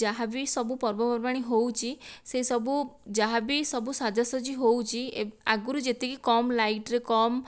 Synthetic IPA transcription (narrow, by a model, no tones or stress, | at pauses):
d͡ʒaɦabisɔbupɔɾbɔpɔɾbaɽ̃iɦowt͡ʃʰiseisɔbud͡ʒaɦabisɔbusad̪ʱɔsɔd͡ʒiɦowt͡ʃʰieaɡuɾud͡ʒet̪ikikɔmlaiʈɾekɔm